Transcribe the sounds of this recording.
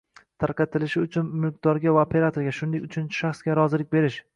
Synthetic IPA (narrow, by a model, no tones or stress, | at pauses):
t̪ʰaɾqɑt̪ʰɪlɪʃɪʊt͡ʃʰʊnmɪlk̚d̪̥ɒɾɡʲavaopʰe̞ɾat̪ʰoɾɡʲaʃʊnd̪eʊt͡ʃʰʊnt͡ʃʰɪ̥ʃaχsɡʲaɾɒzɪlɪk̚ʲbe̞ɾɪʃ